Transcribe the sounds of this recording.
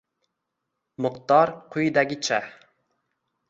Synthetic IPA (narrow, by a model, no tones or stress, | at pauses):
mʊqt̪ɑɾqʰujid̪ɛɡʲit͡ʃʰɛh